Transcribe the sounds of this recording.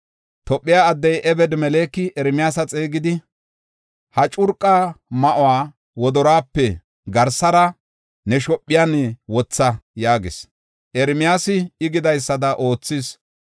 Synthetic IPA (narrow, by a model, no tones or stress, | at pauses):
t̪ɔpʼːɪjaːd̪ːɛjʔɛbɛd̪mɛleːkːɪʔɛɾmɪjaːsɐt͡sʼeːɡɪd̪ɪ | hɐt͡ʃʼʊɾkʼːamɐʔʊwaː | wɔd̪ɔɾaːpːɛ | ɡɐɾsɐɾɐ | nɛʃɔpʼːɪjaːnɛwɔt͡sːɐjaːɡɪs | ʔɛɾmɪjaːsɪɪɡɪd̪ɐjsːɐd̪ɐʔo̞ːt͡sːɪs